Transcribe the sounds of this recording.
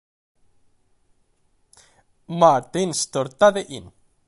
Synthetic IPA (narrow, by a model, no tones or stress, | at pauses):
maɾt̪inst̪oɾt̪aðeʔin